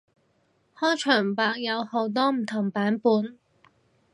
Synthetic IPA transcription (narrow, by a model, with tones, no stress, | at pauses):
hɔː˥jt͡ʃʰœː˨˩ŋpaː˨˧k̚jɐ˨˧who˨˥wt̪̬ɔː˥m̩˨˩t̪ʰʊ˨˩ŋpaː˨˥npuː˨˧n